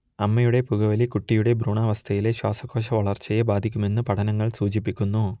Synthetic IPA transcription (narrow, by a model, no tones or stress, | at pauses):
ɐmːɐjuɽe̞puɣɐʋɐlikuʈːijuɽe̞bɾuːɳaːʋɐst̪ʰɐjile̞ɕwaːsɐkʰːo̞ːʂ̬ɐʋɐɭɐrt͡ɕːɐjebaːd̪ʱikʲːume̞nːɨpɐʈʰɐnɐŋːɐɭsuːd͡ʑip̬ːikʲːunːu